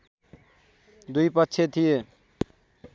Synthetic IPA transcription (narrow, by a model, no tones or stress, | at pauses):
d̪ujpʌtːɕʰet̪ʰije